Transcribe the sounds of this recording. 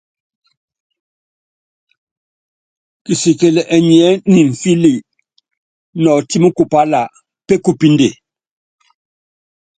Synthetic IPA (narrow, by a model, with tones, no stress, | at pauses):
ki˨si˨ke˨lɛ˨ʔɛ˨ɲ˨ɛ˦ni˨ɱ̩˨fi˦li˨ | nɔ˨ti˦mu˦ku˨pa˦la˨ | pe˦ku˨pi˦nde˨